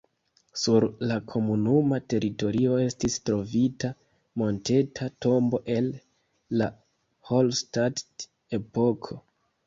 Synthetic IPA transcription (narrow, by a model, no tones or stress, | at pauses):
suɾlakʰo̞munumate̞ɾʔito̞ɾio̞e̞stistɾo̞vita | mo̞nte̞tʰato̞mbo̞ʔe̞lː | a | holstat | e̞po̞kʰo̞